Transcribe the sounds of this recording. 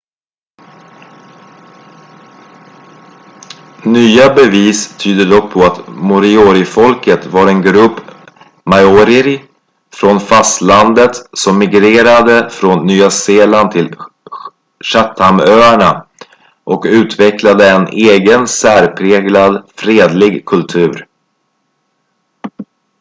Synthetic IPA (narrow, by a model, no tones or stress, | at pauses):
nyːabɛviːst̪ʰyːd̪əd̪ɔk̚pʰɔat̪mʊɾɪoːɾɪfɔlkət̪vaɾɛnɡɾɵpː | majɔɾɪɾ | fɾonfast̪land̪ət̪sɔmːɪɡɾeːɾad̪əfɾonːyːaseːland̪t̪ʰɪl | ɕat̪ʰːamøːæɳa | ʔɔkʉ̟ːt̪vɛklad̪əɛneːɡənsæːɾpʰɾeːɡlad̪fɾeːd̪lɪɡkʰɵlt̪ʰʉ̟ːɾ